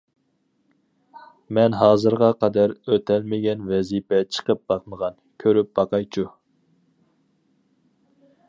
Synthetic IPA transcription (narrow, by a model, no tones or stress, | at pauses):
mɛnɦɑːzɨɾʁɑqʰɑd̪æɾøt̪ʰɛlmɪɡʲɛnvɛzipʰɛt͡ʃʰə̥qəp̚b̥ɑqməʁɑnkʲʰøɾyp̚b̥ɑqɑjt͡ʃʰu